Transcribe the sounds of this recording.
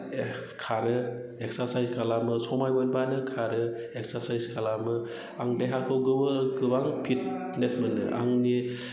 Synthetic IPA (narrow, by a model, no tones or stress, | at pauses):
kʰaɾɯeksasajzkʰalamɯsɔmajbɔnbanɯkʰaɾɯeksaɾsajskʰalamɯ | aŋdeɦakʰɯwɡɯbɯɡɯbaŋpʰit̚ | nesmɯnɯ̰ʔa̰ŋni